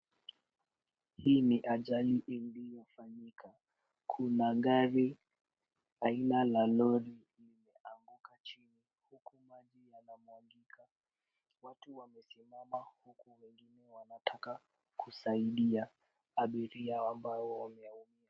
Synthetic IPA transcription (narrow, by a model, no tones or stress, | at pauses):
hiːniʔaʄaliʔinlijɔfaɲikʰa | kʰunaŋɡaɾi | ainalalɔɾilimɛaŋɡukʰat͡ʃini | hukumaʄijanamwaŋɡikʰa | watuwamɛsimamahukuwɛŋɡinɛwanatʰaka | kusaiɗia | aɓiɾiaambaɔwamɛaumia